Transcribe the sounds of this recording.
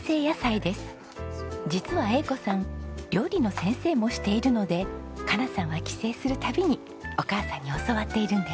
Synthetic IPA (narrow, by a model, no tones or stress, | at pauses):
se̞ːjasaid̪e̞sɨ̥ | d͡ʑit͡sɨβae̞ko̞sãŋɾʲo̞ːɾʲino̞sẽ̞ɰ̃se̞ːmo̞ɕi̥t̪e̞iɾɯ̟no̞d̪e̞ | kanasãɰ̃βakʲi̥se̞ːsɨɾɯ̟t̪abʲiɲ̟i | o̞kaːsãɲ̟ːio̞soβat̪ːe̞iɾɯ̟̃nd̪e